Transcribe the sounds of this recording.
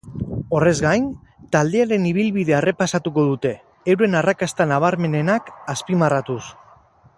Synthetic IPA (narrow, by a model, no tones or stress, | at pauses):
o̞re̞zɣajn | t̪ald̪e̞aɾe̞niβ̞ilβið̞e̞are̞pasat̪uko̞ðut̪e̞ː | wɾe̞narakast̪anaβ̞aɾme̞ne̞nakaspimarat̪us